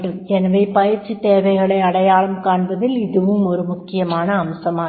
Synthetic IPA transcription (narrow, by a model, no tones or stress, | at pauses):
ʈɯmɛnɐʋɐɪpɐjɪɾt͡ʃːit̪eːʋɐɪɣɐɭɐɪɐɽɐjaːɭɐmkaːɳbɐðɪlɪðɯʋɯmɔɾɯmʊkːɪjɐmaːnɐːmsɐmaː